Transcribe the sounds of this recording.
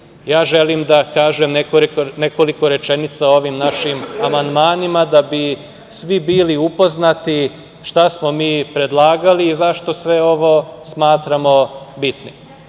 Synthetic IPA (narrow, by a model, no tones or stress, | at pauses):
jaːʒe̞limd̪akaːʒemnekoneko̞liko̞ɾe̞t͡ʃe̞nit̪sao̞ʋimnaʃimamand̪maːnimad̪abi | sʋibiːliupo̞znat̪i | ʃt̪asmo̞miːpɾe̞d̪lˠaːɡaliːzaʃt̪o̞sʋe̞o̞ʋo̞smaːt̪ɾamo̞bit̪ni